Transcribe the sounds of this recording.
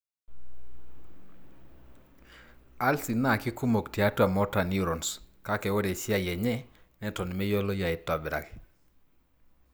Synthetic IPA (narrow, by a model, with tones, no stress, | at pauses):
a˦lsi˨na˦˨ki˦ku˦mo˨kti˨a˦twa˨mɔ˦ta˨ni˦ɾɔ˨nska˦kɛ˨wo˦dɛ˨sɪ˦a˦˨jɛ˨ɲɛ˦nɛ˦tɔ˨n˨mɛ˦jo˦lo˦ja˨ɛ˨tɔ˨bɾa̰˨k